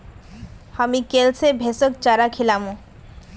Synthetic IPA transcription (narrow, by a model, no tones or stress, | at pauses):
hamikelsebʱesok̚t͡ɕaɾakʰilamo